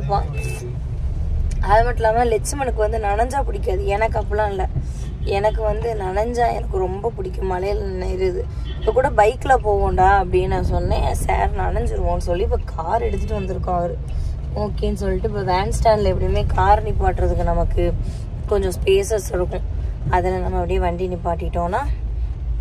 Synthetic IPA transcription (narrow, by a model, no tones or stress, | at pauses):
ɐpːãː | ɐðɐmɐʈːɪlaːmɐãːlɛt͡ʃːɯmɐnɯkːɯʋɐnd̪ɯnɐnɐɲd͡ʒaːpʊɽɪkʲːaːðɯɛnɐkːɐpːɐlãːɪlːɐ | ɛnɐkːɯʋɐnd̪ɯnɐɳɐɲd͡ʒaːɛ̰nɐkːɯɾɔmbɐpʊɽɪkːʊ̃mmːɐlɐjɐlnːɐɪɾɯðɯ | ɪpːɐkːuːɽɐbɐɪkːɯlapoːɣoːɳɖaːɐpːɐɽinnãːsɔnːesa̰ːɾnɐnɐɲd͡ʒɪɾɯʋõːnɯsɔlːiːpːoːkʰaːɾɛɽɯt̪ːɯʈːɯʋɐnd̪ɯɾɯkːõːʋɐɾɯ | oːkːeːjnɯsɔlːɪʈːɯpːoːʋaːnsʈaːnɖlɐɛpːɐɽɪjmeːkʰaːɾnipːaːʈːɾɐðɯkːɯnɐmɐkːɯ | kɔɲd͡ʒɔ̃speːsɐsɛɽɯkːʊ̃ɐðɐlɐnɐmːɐpːɐɽɪjeʋɐɳɖɪnːipaːʈːɪkɪʈːõːnaː